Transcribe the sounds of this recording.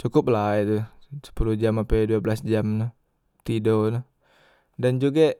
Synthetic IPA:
t͡ʃukʊp̚lait̪usə̥pulud͡ʒamapɛduabəlasd͡ʒamnʊ | t̪idonʊ | dand͡ʒuɡa

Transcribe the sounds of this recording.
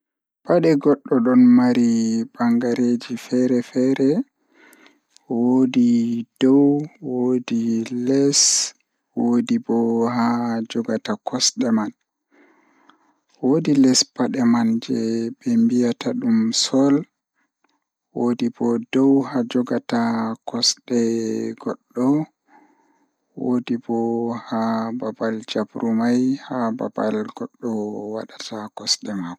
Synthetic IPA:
baɗɛɡɔɗːɔɗɔnmaɾibaŋɡaɾed͡ʒifɛɾɛfɛɾɛ | wodid̥ɔwwodilɛs | wodibɔɦad͡ʒɔɡatakʰɔsɗɛman | wodilɛspaɗɛmand͡ʒɛbɛmbijataɗumsɔl | wodibɔdɔwhad͡ʒɔɡatakɔsɗɛɡɔɗːɔ | wodibɔhababald͡ʒabɾumajhaba̰ba̰lɡɔɗːɔwa̰ɗatʰakɔsɗɛmaɡɔ

